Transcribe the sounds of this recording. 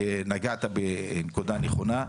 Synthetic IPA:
naɡat̪abenekud̪aneχo̞na

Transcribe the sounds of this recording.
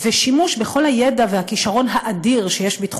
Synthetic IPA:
veʃimuʃbeχo̞lhajedavehakiʃaʁo̞nɦaʔadiʁʃejeʃbitχ

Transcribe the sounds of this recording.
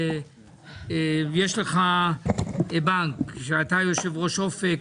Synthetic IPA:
jeʃleχa | baŋkʃeat̪ajo̞ʃevʁoʃofe

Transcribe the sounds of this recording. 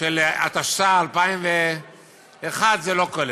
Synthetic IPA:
ʃela̰t̪aʃt̪aːlpaimve | eχad̪zelo̞kol

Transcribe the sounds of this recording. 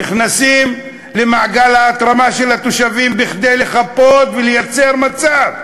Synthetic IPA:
iχnasim | lemaʕɡalhaːt̪ʁamaʃe̞lhat̪oʃavimbiχd̪e̞jle̞χapo̞t̪velejat͡se̞ʁmat͡sav

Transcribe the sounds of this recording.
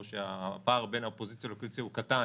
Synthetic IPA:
ʃeapaːʁbe̞naopo̞zit͡sjalokit͡sjahukata

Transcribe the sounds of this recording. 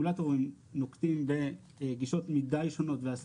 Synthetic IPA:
ulato̞ʁim | nokdimbe | ɡiʃo̞tmidajʃo̞no̞tveas

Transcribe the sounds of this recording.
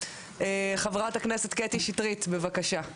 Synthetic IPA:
eχavʁataknese̞t̪ketiʃitʁit̪be̞vakaʃa

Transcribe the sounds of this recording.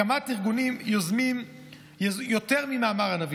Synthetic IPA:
amatiʁɡunimjɔzmim | jjotɛʁmimaːmaʁanavi

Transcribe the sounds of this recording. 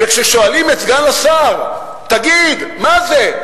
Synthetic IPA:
vekʃeʃo̞alimet͡sɡanlasaʁ | t̪aɡid̪maze

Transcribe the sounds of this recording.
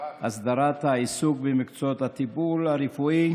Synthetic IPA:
hasd̪aɾat̪haisuɡbemikt͡sot̪hat̪ibulhaɾifui

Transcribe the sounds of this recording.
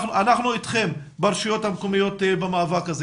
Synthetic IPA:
nuʔanaχnuitχe̞m | beʁʃijo̞t̪hamkomijo̞t̪bemaːvakaze

